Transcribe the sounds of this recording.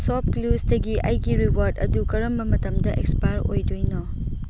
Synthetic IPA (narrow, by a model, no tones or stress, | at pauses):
sɔp̚klusdɐɡiʔɐjɡiɾiwaɾdɐ̰dukɐɾɐmbɐmɐtɐmdɐʔekspajɾo̰jdojnɔ